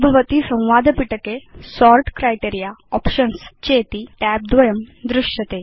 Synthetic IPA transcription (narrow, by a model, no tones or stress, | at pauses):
bʱəʋət̪isə̃w̃ʋad̪ʱpiʈəkesɔɾʈkɾajʈiɾijaɔpɕənst͡ɕet̪iːʈæp̚d̪ʋɐjəmd̪ɾɪʂət̪e